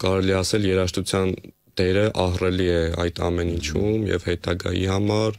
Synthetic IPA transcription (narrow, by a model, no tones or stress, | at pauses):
kɑɾɛliɛɑsɛljɛɾɑʃt̪ut͡sʰjɑn | d̪̥ɛɾəʔɑhrɛliɛɑ̰jt̪ʰɑ̰mɛnint͡ʃʰumjɛ̰vhɛt̪ɑɡɑ̰jḭhɑmɑɾ